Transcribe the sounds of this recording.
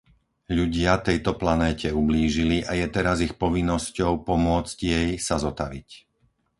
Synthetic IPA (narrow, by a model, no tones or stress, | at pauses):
ʎuɟɪat̪ɛjt̪ɔplanɛːcʰɛubliːʒiliʔajɛt̪ɛɾazixpɔʋinːɔscɔʊpɔmʊɔt͡scjɛjsazɔt̪aʋic